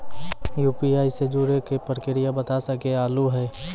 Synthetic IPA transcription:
juːpiaːised͡ʒuɾekepəɾkɪɾɪjabət̪asəkeaːluɦɛː

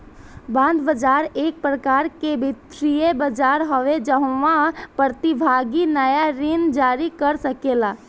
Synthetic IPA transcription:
bãːnd̪bəd͡ʒaːɾeːk̚pɾəkaːɾkebʱit̪ɾijebəd͡ʒaːɾɦəʋed͡ʒəɦãpɾət̪ibʱaːɡinəjaɾɪnd͡ʒaːɾikəɾsəkeːlaː

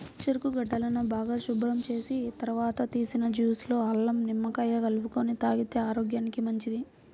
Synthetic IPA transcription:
kʃɐɾkuɡɐɖːɐlɐnubaːɡaːʃubɾɐmt͡ʃe̞ːsit̪ɐɾɐʋaːt̪ɐt̪iːsinɐd͡ʒjuːslo̞ːɐlːɐmnimːɐkɐjɐɡɐlupukonit̪aːɡit̪e̞ːaːɾoːɡjaːnikimɐɲt͡ʃid̪i

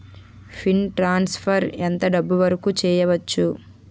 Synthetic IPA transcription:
pʰinʈɾaːnspʰɐɾent̪ɐɖɐbːuʋɐɾɐkuːt͡ʃɛːjɐʋɐt͡ʃːu

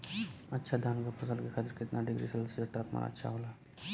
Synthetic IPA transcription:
ɐtːʃʰad̪ʱaːnkapʰɐsalkekʰat̪ɪɾkɪt̪naɖɪɡɾḭsəlsəst̪aːpma̰nɐ̰tːʃʰa̰ɦoːla

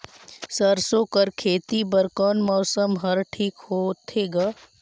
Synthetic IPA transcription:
sɐɾsoːkəɾkʰeːt̪ibɐɾkɔːnmɔːsəmɦɐɾʈʰiːkhoːt̪ʰeːɡaː

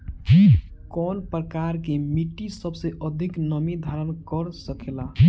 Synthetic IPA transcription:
kɔnpɾəkaɾkemiʈːisəbseʔəd̪ʱiknəmid̪ʱaɾənkəɾsəkela

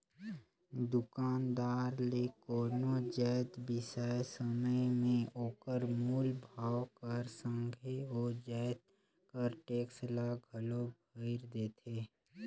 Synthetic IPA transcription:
d̪ʊkaːnd̪aːɾlekoːɾnod͡ʒɛːt̪bɪsaːjsəməjmẽoːkəɾmulbʱaːwkəɾsə̃ŋɡʱeod͡ʒɛːt̪̚ | kəɾʈeːkslaɡʱɐlobʱəɪɾd̪eːt̪ʰeː

